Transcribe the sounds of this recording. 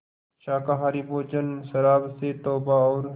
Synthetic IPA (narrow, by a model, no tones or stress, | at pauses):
ʃaːkaːɦaːɾiboːt͡ʃənʃɐɾaːbset̪oːbaɔːɾ